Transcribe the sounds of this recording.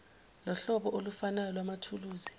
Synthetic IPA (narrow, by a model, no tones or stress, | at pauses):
lɔɬɔɓɔʔolufanajɔlwamatʰuluːzi